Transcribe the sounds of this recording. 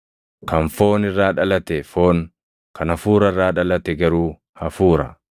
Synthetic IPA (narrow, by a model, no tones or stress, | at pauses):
kɐnfo̞ːnɪrːaːᶑɐlɐt̪ɛfo̞ːn | kʰɐnɐfuːɾɐɪrːaːᶑɐlɐt̪ɛɡɐɾuː | hɐfuːɾɐ̰